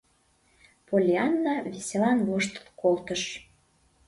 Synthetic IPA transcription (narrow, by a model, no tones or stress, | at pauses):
polʲiɑnːɑβesʲelɑnβoʃt̪ə̥t̪kolt̪əʃ